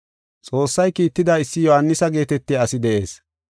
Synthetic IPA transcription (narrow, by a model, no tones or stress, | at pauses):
t͡sʼo̞ːsːɐjkiːt̪ːɪd̪ɐɪsːɪjɔhanːɪsɐɡe̞ːt̪ɛt̪ːiɐsɪd̪ɛʔe̞ːs